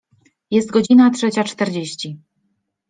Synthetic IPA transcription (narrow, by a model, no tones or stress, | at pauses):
jɛst̪̚ɡɔd͡ʑinatʂɛt͡ɕat͡ʂt̪ɛɾd͡ʑeɕt͡ɕi